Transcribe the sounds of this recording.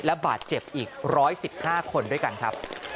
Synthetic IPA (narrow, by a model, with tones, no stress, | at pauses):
lɛ˦˥ba̰ː˨˩t̪̚t͡ɕe˨˩p̚ʔiː˨˩k̚ɾɔː˦˥jsi˨˩p̚haː˥˩kʰo˧ndu˥˩əjka˧nkʰa˦˥p̚